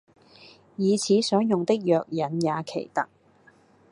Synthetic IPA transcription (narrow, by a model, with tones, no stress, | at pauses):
jiː˨˧t͡sʰiː˨˥sɔː˨˥ŋjʊ˨ŋt̪ɪ˥k̚jœː˨k̚jɐ˨˥njaː˨˧kʰe˨˩jt̪ɐ˥k̚